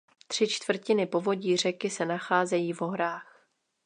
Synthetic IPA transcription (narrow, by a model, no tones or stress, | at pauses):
t̪r̥ɪt͡ʃt̪v̥r̩cɪnɪpo̞vo̞ɟiːr̝ɛkɪsɛnaxaːzɛjiːvo̞ɦɾaːx